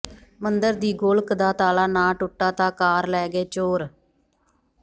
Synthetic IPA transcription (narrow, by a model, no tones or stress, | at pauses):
mənd̪əɾd̪iːɡoːlkd̪aːt̪aːlaːnãːʈʊʈːaːt̪ãːkaːɾlɛːɡeːt͡ʃoːɾ